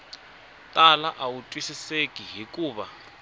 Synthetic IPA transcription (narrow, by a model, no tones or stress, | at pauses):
tʼalaʔawutʼwisisekʼiɦikʼuːβa